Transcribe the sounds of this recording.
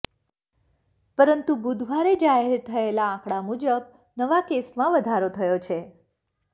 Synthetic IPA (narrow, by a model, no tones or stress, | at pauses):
pəɾənt̪ubud̪ʱʋaɾed͡ʒaɦeɾt̪ʰəelaãkɽamud͡ʒəb | nəʋakesmãʋəd̪ʱaɾot̪ʰəjot͡ʃʰe